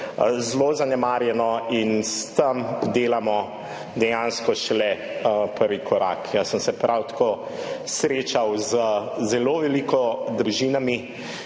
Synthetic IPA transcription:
zlozanɛmaːɾjɛnɔinst̪əmd̪eːlamɔ | d̪ɛjanskɔʃɛlɛ | pəɾʋikʰɔɾa̰kʰjasəmsɛpɾʔawt̪ḁkoː | sɾet͡ʃawzəzɛloːʋɛlikɔd̪ɾuʒinami

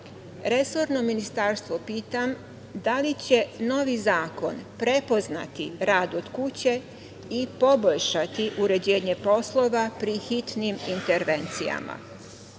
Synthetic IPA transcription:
ɾe̞so̞ɾno̞minist̪aɾst̪ʋo̞piːt̪am | d̪alit͡ɕe̞no̞ʋizaːko̞̰npɾe̞po̞zna̰t̪iɾaːd̪o̞d̪̥kut͡ɕe̞ | ipo̞boʎʃat̪iʔuɾe̞d͡ʑe̞ːɲe̞po̞slˠo̞ʋapɾixit̪nimint̪e̞ɾʋe̞nt̪sḭja̰ma̰

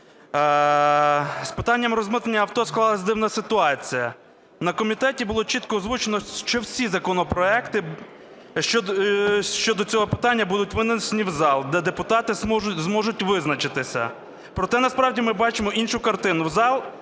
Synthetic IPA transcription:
spɪt̪ɑnʲːɐmrɔzmɪt̪enʲːɐɐwt̪ɔsklˠɑlˠɐzʲd̪ɪwnɐsɪt̪ʊɑt͡sʲijɐ | nɐkɔmʲit̪ɛtʲibʊlˠɔt͡ʃit̪kɔːzʋut͡ʃenɔʃt͡ʃɔwsʲizɐkɔnɔpɾɔɛkt̪ɪ | ʃt͡ʃɔ | t͡ʃɔd̪ɔt͡sʲɔɦɔpɪ̥t̪ɑnʲːɐbud̪ʊtʲʋɪnɐsʲenʲiwzɑlˠd̪ɛd̪epʊt̪ɑt̪ɪzmɔʒʊtʲʋɪznɐt͡ʃɪt̪ɪsʲɐ̰ | pɾɔt̪ɛnɐspɾɑwdʲimɪbɑt͡ʃɪmɔʔinʃʊkɐrt̪ɪnʊwzɑlˠ

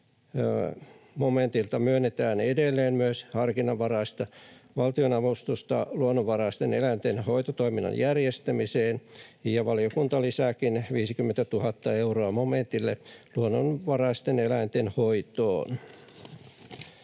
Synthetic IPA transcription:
moment̪ilt̪ɑmyønːet̪æːnedelːeːnmyøshɑrkinɑʋːɑrɑist̪ɑʋɑlt̪ionɑʋust̪ust̪ɑ̰luonːoʋʋɑrɑist̪enelæint̪enhoit̪ot̪oiminːɑ̰njærjest̪æmiseːnjɑʋɑliokunt̪ɑlisækinʋiːsikymːent̪æt̪uhɑt̪ːɑeuroɑmoment̪ilːeluonːonʋɑrɑist̪enelæint̪enhoit̪o̰ːn

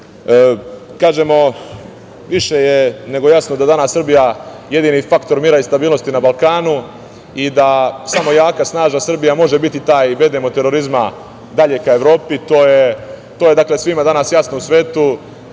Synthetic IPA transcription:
kaːʒe̞mo̞ | ʋiʃe̞jene̞ɡo̞jasnod̪ad̪anasːr̩bija | je̞d̪iːnifakt̪o̞ɾmiːɾaist̪abiːlˠno̞st̪inabalˠkaːnu | id̪asamo̞jaːkasnaːʒasr̩bijamo̞ʒe̞bit̪it̪aːjiʋe̞d̪emot̪e̞ɾo̞ɾizma | d̪aʎe̞kae̞ʋɾo̞ːpit̪o̞ːje | t̪oːje̞d̪aːklesʋimad̪anasjasno̞usʋe̞ːt̪u

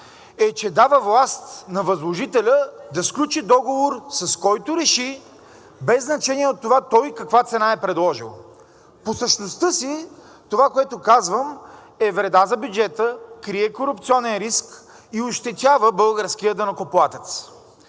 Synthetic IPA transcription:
ɛt͡ʃɛd̪avəvlˠast̪nɐvɐzlˠoʒit̪ɛlʲəd̪ɐsklʲut͡ʃid̪ɔɡovoɾsɐskɔjt̪oɾɛʃi | bɛzːnɐt͡ʃɛnʲiɛot̪ːovat̪ɔjkɐkvat̪sɛnaɛpɾɛd̪lˠɔʒilˠ | posəʃnost̪ɤsi | t̪ovakoɛt̪okazvəm | ɛvɾɛd̪azɐbjud͡ʒɛt̪əkɾiɛkoɾup̚t̪siɔnɛnɾisk | ioʃt̪ɛt̪ʲavəbɤlˠɡəɾsk̟ijəd̪ɐnɐkoplˠat̪ɛt̪s

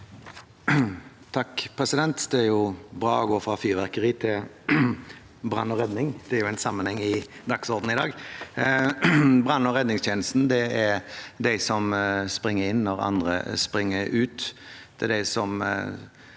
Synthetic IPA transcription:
t̪ʰɑkːpʰʁɛsɪd̪ɛnt̪d̪ɛæɾjʊbɾɑ̰ːɔɡoːfɾɑfyːʁʋæʁkəɾiːt̪ʰɪl | bʁɑ̰nːɔɾɛd̪nɪŋd̪̥ɛæɾjʊæɪnsɑmːənhɛŋːɪd̪ɑksɔʁd̪n̩ɪd̪ɑːɡ | bʁɑnːɔʁɛd̪nɪŋst̪ʰjeːnəst̪n̩d̪ɛɛɾd̪æɪsɔmspɾɪŋːəɾɪnːɔɾɑ̰nd̪ʁə̰spɾɪŋːəʉːt̪d̪̥ɛd̪æɪsɔm

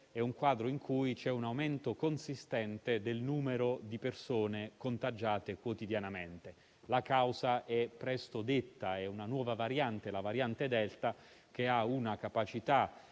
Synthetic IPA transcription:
ɛuŋkwaːd̪ɾoiŋkʰujt͡ʃɛunawment̪okonsist̪ɛnt̪ed̪elnuːmeɾod̪ipersoːnekont̪ad͡ʒːaːt̪ekwot̪id̪janament̪e | lakawzaʔɛpːɾɛst̪od̪et̪ːaɛunanwɔːvavaɾjant̪elavaɾjant̪ed̪ɛlt̪ak̟eaunakapat͡ʃit̪a

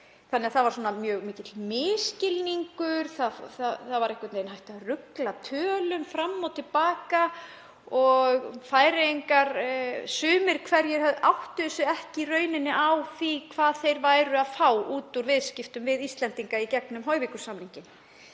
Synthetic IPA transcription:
θanːɛaθavaɾ̥sɔːnamjœːɣmiːcɪt̪lmɪːscɪlniŋkʏɾ̥θaθaθavaɾɛhkʏt̪nejnɦajht̪arʏklat̪ʰœːlʏmfɾamːɔt̪ʰɪlpaːka | ɔɣfaːjɾɪiŋkaɾsʏːmɪɾ̥kʰvɛɾjɛɣhœvðawht̪ʏsʏɛhcɪrœːɥnɪnːɪʔawθikʰvaːðθejɾvaːjɾʏaðfaːwuːt̪uɾvɪðscɪft̪ʏmvɪðist̪lɛnt̪iŋkaicɛknʏmɦɔɥvɪkʏ̥samniŋcɪn

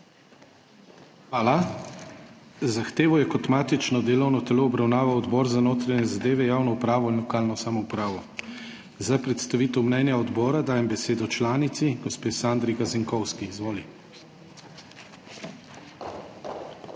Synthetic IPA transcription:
xʋaːla | zaxt̪eːʋɔjɛkɔt̪maːt̪it͡ʃnɔd̪eːlɔwnɔt̪ɛloːbɾawnaːʋawɔd̪bɔːɾzanoːt̪ɾaɲɛzad̪eːʋɛjaːwnɔupɾaːʋɔinlɔkaːlnɔsaːmɔupɾaːʋɔ | zapɾɛt̪st̪aʋiːt̪ɛwmnɛnjaɔd̪bɔːɾad̪aːjɛmbɛseːd̪ɔt͡ʃlaːnit̪siɡɔspeːsaːnd̪ɾiɡazɛŋkɔwskiːzʋoːli

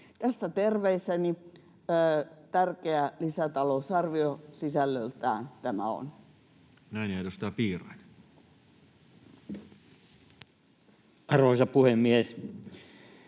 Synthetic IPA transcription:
t̪æsːæt̪erʋeisːæni | əːt̪ærkeælisæt̪ɑlousɑrʋiosisælːølt̪æ̰ːnt̪æmæ̰o̰n | næˑineˑit̪osit̪æpiːrɑit̪ | ɑroisɑpuhemːies

